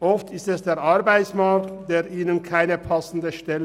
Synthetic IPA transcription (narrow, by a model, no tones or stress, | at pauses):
ʔɔftʰɪstɛsd̥eːʁʔɑɾbaɪsmaktd̥eːʁʔiːnənkʰaɪnəpʰɑsn̩dəʃtɛlə